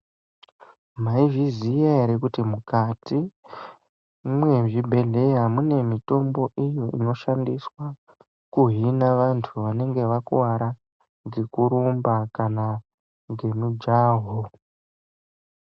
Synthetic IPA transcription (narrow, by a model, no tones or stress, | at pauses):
maivizijaɾekutimukati | mwe̞ʐibʱe̞ɮe̞jamune̞mito̞mbo̞ʔijo̞ino̞ʃandiswa | kuɦinaʋantʰuʋane̞ŋɡe̞ʋakuwaɾa | ɡekuɾumbakana | ŋɡe̞mud͡ʒaːɦo